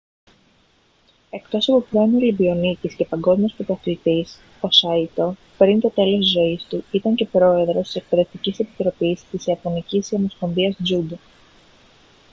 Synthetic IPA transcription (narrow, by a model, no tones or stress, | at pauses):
e̞kt̪o̞sɐpo̞pɾoemolibio̞nic̪isce̞pɐŋɡo̞zmiospot̪ɐθt̪is | osɐit̪o̞ | pɾint̪o̞t̪e̞lo̞st̪izo̞ist̪uit̪ɐɲce̞pɾo̞e̞ðɾo̞st̪ise̞k̚pe̞ðe̞ft̪icise̞pi̥t̪ɾo̞pist̪isiɐpo̞nicisiɐmo̞sko̞nviɐsd͡ʒud̪o